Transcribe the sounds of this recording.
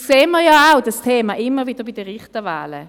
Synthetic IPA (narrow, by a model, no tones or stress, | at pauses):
kseːnməjaaʊdastʰeːmaʔɪmːəʁvid̥əbidəʁɪχtəva̰ːlə̰